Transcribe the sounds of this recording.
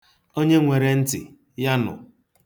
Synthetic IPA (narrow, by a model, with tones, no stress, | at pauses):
o˦ɲe˦ŋʷe˨ɾe˨n̩˦tɪ̰˨ | ja˦nʊ̰˨